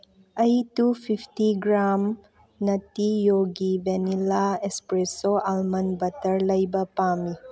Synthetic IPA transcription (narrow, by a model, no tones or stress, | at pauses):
ɐjtupʰipʰtiɡɾam | nɐtijoɡibenilaespɾesoʔalmɐnbɐtɐɾlɐjbɐpami